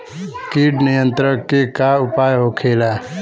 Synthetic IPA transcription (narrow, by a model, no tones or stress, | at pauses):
kiɖnijənt̪ɾəkːekaupajɦokʰela